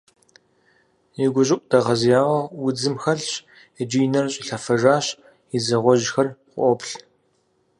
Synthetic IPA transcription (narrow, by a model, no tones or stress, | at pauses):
iɡʷʊɕʼɪkʷʼd̥ɐʁɐzjaːʁɐwʊd͡zɨmxɐɬɕ | d͡ʒijnɐrɕʼiɬɐfɐʒaːɕ | izɐʁʷɔʒxɐrqʷɔpɬ